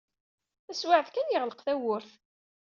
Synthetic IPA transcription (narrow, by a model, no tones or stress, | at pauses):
æswaʕθkænjəʁləqθæwʊɾθ